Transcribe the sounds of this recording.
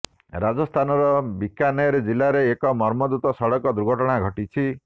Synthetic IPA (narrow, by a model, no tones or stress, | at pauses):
ɾad͡ʒɔst̪ʰanɔɾɔbikanɔɾed͡ʒilaɾeːkɔmɔɾmɔd̪ut̪ɔsɔɽɔkɔd̪uɾɡʱɔʈɔɽ̃aɡʱɔʈit͡ʃʰi